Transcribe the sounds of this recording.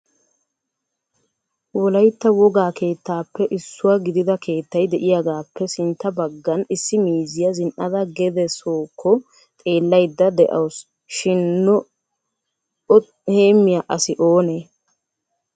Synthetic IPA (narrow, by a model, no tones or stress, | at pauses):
wɔlɐjt̪ːɐwɔɡaːkʰe̞ːt̪ːaːpːɛʔɪsːʊwɐɡɪd̪ɪd̪ɐkʰe̞ːt̪ːɐjd̪ɛʔɪjaɡaːpːɛsɪnt̪ːɐbɐɡːɐnɪsːɪmiːzɪjɐzɪnʔɐd̪ɐɡɛd̪ɛsoːkʰːɔ | t̪ʼe̞ːlːɐjd̪ːɐd̪ɛʔɐ̰ws | ʃɪnːʊ | ɔ | heːmːɪjaʔɐsɪʔoːne